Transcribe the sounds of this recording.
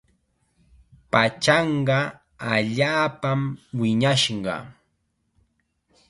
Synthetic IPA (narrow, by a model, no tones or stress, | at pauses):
pat͡ʃɑɴɢɑ | aʎaːpamwɪɲaʃɢɑ̰